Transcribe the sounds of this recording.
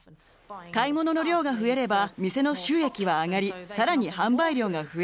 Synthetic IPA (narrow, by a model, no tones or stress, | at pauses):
kaimo̞no̞no̞ɾʲo̞ːɡaɸɯ̟e̞ɾe̞bamʲise̞no̞ɕɨːe̞kʲiβaːŋaɾʲisaɾaɲ̟ihãmbaiɾʲo̞ːɡaɸɯ̟e